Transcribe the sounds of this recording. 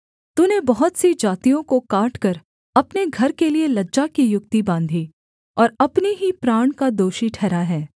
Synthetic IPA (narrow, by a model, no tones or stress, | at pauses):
t̪unebɐɦʊt̪sid͡ʒaːt̪ijõkokaːʈkɐɾ | ɐpneɡʱɐɾkelielɐdːd͡ʒakijʊk̚t̪ibãːnd̪ʱi | ɔːɾɐpneɦipɾaːɽ̃kad̪oːʃiʈʰɛːɾaɦɛː